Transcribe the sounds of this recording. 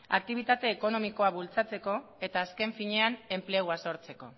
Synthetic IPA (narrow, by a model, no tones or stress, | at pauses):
a̰k̚t̪iβ̞it̪at̪e̞ːko̞no̞miko̞aβult͡sat͡se̞ko̞ | e̞t̪aːske̞ɱfiɲe̞ane̞mpleɣwaso̞ɾt͡se̞ko̞̰